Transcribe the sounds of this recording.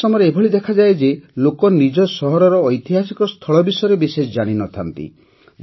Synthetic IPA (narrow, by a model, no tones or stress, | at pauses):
ɔmɔɾeebʱɔɭid̪ekʰad͡ʒaed͡ʒelokɔnid͡ʒɔsɔɦɔɾɔɾɔːjt̪iɦasikɔst̪ʰɔɭɔbisɔjɔɾebisesd͡ʒaɽ̃inɔt̪ʰant̪ḭ